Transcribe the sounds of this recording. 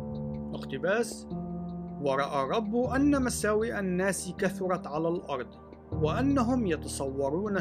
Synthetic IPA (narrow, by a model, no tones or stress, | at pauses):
ʔɪqt̪ɪbaːs | wɑɾˤɑʔarˤːɑbːʔanːamasaːwiʔanːaːskaθʊɾˤɑʕalaːlʔɑɾˤd̪ˤ | wɪʔanːaɦʊmjɑt̪ɑsˤɑwːɑɾˤuːna